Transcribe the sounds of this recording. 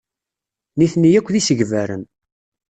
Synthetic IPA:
niθnijækʷːðisəʝvæɾə̰n

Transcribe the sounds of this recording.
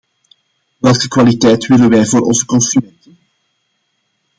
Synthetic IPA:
ʋɛlˠkəkʋalitɛjtʋɪlənʋɛjvoːɾɔ̰nzəkɔnsymɛntən

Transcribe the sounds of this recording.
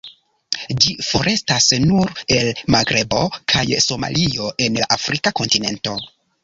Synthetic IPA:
d͡ʒifo̞ɾʔe̞stasnuɾe̞lmaɡɾe̞bo̞kʰajso̞ma̰lʔio̞ʔe̞nlaʔafɾikako̞ntine̞̰nto̞

